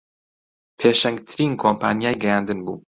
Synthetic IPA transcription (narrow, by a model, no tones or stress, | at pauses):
pʰeːʃɛŋɡt̪ʰɨɾiːnkʰompʰaːnjaːjɡɛjaːnd̪ɨnbṵː